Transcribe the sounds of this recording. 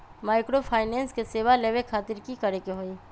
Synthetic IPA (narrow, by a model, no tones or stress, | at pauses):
maːɪkɾopʰaːɪnɛ̃ːnskeseːʋaleːʋekʰaːt̪ɪɾkikɐɾekeɦoːiː